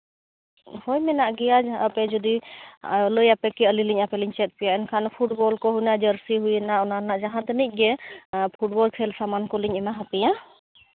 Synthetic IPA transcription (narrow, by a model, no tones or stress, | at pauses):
hɔjmɛnaʔɡɛjad͡ʒəpɛd͡ʒɔd̪i | ləjapɛkɛəliliɲapɛliɲt͡ʃɛt̪̚pijaʔɛnkʰanpʰuʈ̚bɔlkɔɦujnad͡ʒəɾsiɦujɛnaʔɔnanaʔd͡ʒaɦant̪ɛnic̚ˀɡɛpʰuʈ̚bɔlkʰɛlsamankɔliɲɛmaɦapɛja